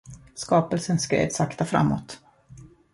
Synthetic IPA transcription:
skɑːpəlsənskɾḛːd̪sakt̪afɾa̰mːɔ̰t̪

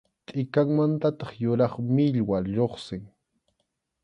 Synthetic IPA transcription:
t̪ʼɪkaŋmant̪at̪ɑχjʊɾɑχmɪʎwaʎoχsɪŋ

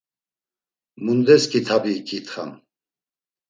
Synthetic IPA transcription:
mund̪ɛskʰʼit̪ʰabiːkʰʼit̪χa̰m

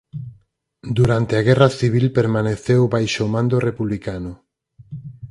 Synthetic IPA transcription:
d̪uɾant̪eaɣɛrɐθiβ̞ilpeɾmaneθewβajʃomãnd̪orepuβlikanʊ

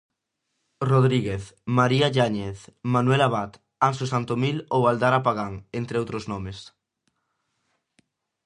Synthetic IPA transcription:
roðɾiɣeθmaɾiaʎaɲeθmanwelaβ̞at̪ | ansosant̪omilowald̪aɾapaɣaŋent̪ɾeowt̪ɾoznomes

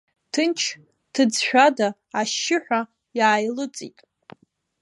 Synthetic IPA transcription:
tʰɨnt͡ʃʰ | tʰɨd͡zħᶣadaː | ʃːɪħʷᶣa | jaːjlɨt͡sʼḭtʼ

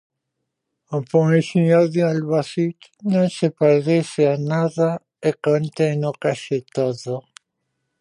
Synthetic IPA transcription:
opoŋesiɲoɾðealβasit̪nõŋsepeɾðeseanaða | ekont̪enokaʃet̪oðo

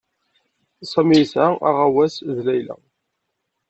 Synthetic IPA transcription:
sˤəmisæa̰ʁawæsðlæjlæ̰

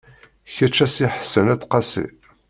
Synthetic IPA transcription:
çæt͡ʃːæsiħə̥sːənæt͡sːqɑsḭ

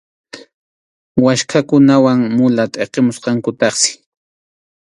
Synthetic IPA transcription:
waʃkʰakʊnawaŋmʊlat̪ʼeqemʊsqɑŋkʊt̪ɑχsɪ̥

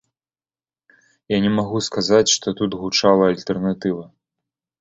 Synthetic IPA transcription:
janʲɛmaɣuskazat͡sʲʂt̪ɔt̪ut̪ɣut͡ʂalˠɐːlʲt̪ɛrnat̪ɨvɐ

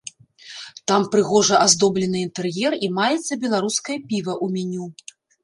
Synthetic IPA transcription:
t̪ampɾɨɣɔʐɐʔazd̪ɔblʲɛnɨint̪ɛrjɛrimajɛt̪sːɐbʲɛlˠaɾuskɐjɐpʲivɐʔumʲanʲu

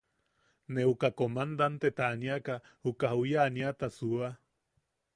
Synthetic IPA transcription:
neukakomand̪ant̪et̪aːniaka | hukahujaːniat̪asua

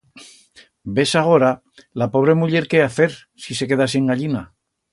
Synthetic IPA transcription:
be̞saɣ̞o̞ɾa | lapo̞β̞ɾe̞muʎe̞ɾke̞aθe̞ɾ | sise̞ke̞ðasiŋɡaʎina

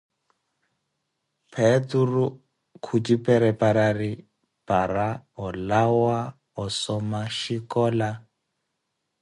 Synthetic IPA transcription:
pʰɛturu | kʰut͡ʃipʼɛɾɛpʼaɾari | pʼaɾaɔlawa | ɔsɔmaʃikɔːla

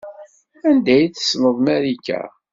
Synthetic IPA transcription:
ænd̪æjθə̥snəðˤmæɾikæ̰

